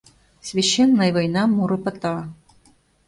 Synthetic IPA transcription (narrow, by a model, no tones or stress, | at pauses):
sʲvʲeɕːenːəjvɐjnɑmːuɾɤpɤ̆t̪ɑ